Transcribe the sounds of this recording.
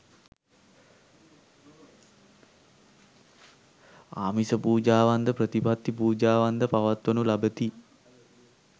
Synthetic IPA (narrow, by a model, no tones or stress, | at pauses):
a̰ːmisəpuːd͡ʒaːʋand̪əpɾət̪ipat̪ːipuːd͡ʒaːʋand̪əpaʋat̪ʋənulabət̪i